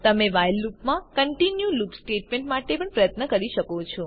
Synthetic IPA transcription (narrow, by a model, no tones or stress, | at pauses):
t̪əmeʋajlːupmãkəɳʈinjulupsʈeʈmẽɳʈmaʈepəɳpɾəjət̪nəkəɾiʃəkot͡ʃʰɔ